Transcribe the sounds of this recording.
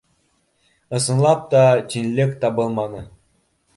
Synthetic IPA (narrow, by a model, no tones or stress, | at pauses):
ɤ̆sɤ̆nlˠɑp̚t̪ɑt͡ɕʲinʲlʲɘkt̪ɑbɤlˠmɑnɤ